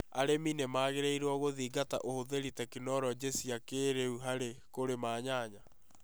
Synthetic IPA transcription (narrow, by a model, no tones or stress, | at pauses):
aɾeminemaːɣeɾeiɾwɔɣoðiːɡata̰ʔohoðeɾitakinɔɾɔd͡ʑesiakeːɾeuɦaɾekoɾemaːɲaːɲa